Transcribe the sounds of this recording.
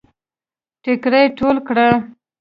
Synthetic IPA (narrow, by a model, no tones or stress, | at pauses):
ʈɪkɾəjʈolkɽa